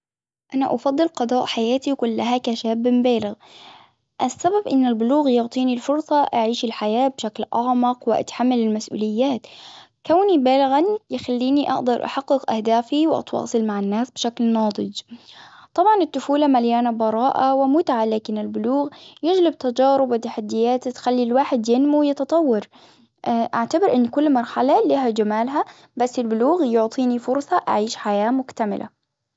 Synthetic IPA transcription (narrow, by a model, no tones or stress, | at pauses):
ʔanaʔɑfɑd̪ˤːɨlqɑd̪ˤɑːʔħajaːt̪ikʊlːaɦakaʃaːbːɪmbaːlɪɣ | ʔasːababʔɪnːɪlbʊluːɣjʊʕt̪ˤiːnilfʊɾsˤɑʔaʕiːʃɪlħajaːbʃaklʔɑʕmɑqwɪʔa̰t̪ħamːalɪlmasʔṵːlɪjːaːt̪ | kawnibaːlɪɣanjɪxalːiːniʔɑ̰ʔd̪ɑɾˤʔɑ̰ħɑqːɪqʔahd̪aːfiwʔɑ̰t̪wɑ̰ːsˤɨlmaʕɪnːaːsb̥ʃaklnɑːd̪ˤɨd͡ʒ | t̪ˤɑbʕɑnɪt̪ːʊfuːlamaljaːnabɑɾˤɑːʔawɪmʊt̪ʕalaːkɪnɪlbʊluːɣjɪd͡ʒlɪb̚t̪ad͡ʒɑːɾʊbɪt̪ːaħad̪ːɪjːaːt̪t̪xalːilwaːħɪd̪jɪnmuwjɪt̪ɑt̪ˤɑwːɑɾ | ʔaʕt̪abɪɾʔɪnːkʊlːmɑɾˤħalaliːɦad͡ʒamaːlɦa | basːɪlbʊluːɣjʊʕt̪ˤʰiːnifʊɾˤsˤɑʔa̰ʕiːʃħajaːmʊkt̪amɪlʔa̰